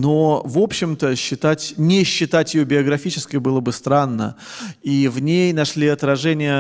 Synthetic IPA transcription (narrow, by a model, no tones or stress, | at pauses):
novo̞pɕːɪmt̪əɕːɪt̪atʲnʲɪɕːɪt̪atʲjɪjobʲɪəɡɾɐfʲit͡ɕɪ̥skʲɪjbɨlˠəbɨst̪ɾanːə̰ivnʲejnɐʂlʲiɐt̪ɾɐʐɛnʲɪjə